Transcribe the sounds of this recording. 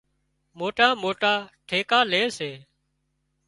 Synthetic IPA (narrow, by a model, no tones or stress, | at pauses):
moːʈaːmoːʈaːʈʰeːkaːleːseː